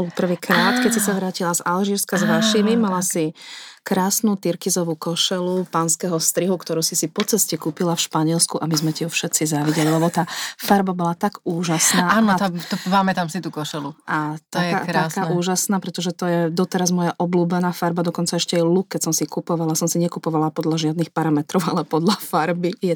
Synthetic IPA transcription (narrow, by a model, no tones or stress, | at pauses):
bɔlpr̩ʋiːkɾaːt̪kɛcsisaʋɾaːcilazalʒiːɾskazʋaʃimimalasikɾaːsnut̪iɾkizɔʋukɔʃɛlupanskɛɦɔfst̪ɾiɦukt̪ɔɾuːsisipɔt͡sɛscɛkuːpilafʃpaɲɪɛlskuʔamizmɛciufʃɛt̪t͡sizaːʋiɟɛlilɛbɔt̪aːfaɾbabɔlat̪aɡuːʒasnaːaːnɔt̪at̪ɔpamɛt̪amsit̪ukɔʃɛluʔat̪aa̰ɾt̪askaːuːʒasnaːpɾɛt̪ɔʒɛt̪ɔjɛd̪ɔt̪ɛɾazmɔjaʔɔbluːbɛnaːfaɾbad̪ɔkɔnt͡saɛʃcɛɛlukkːɛcsɔmsikupɔʋalasɔmsiɲɛkupɔʋalapɔd̪laʒɪad̪nixpaɾamɛt̪ɾɔʊalɛpɔd̪lafaɾbit̪jɛ